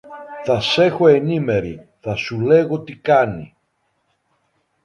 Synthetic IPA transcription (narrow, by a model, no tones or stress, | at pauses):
θɐse̞xo̞e̞nime̞ɾḭ | θɐsule̞ɣo̞t̪ikɐnḭ